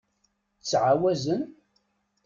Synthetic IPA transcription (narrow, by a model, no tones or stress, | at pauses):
t͡sːʕawæzən